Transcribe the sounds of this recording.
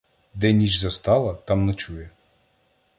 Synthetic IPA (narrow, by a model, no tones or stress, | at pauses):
d̪ɛnʲit͡ʃzɐst̪ɑlˠɐt̪ɑmnɐt͡ʃujɛ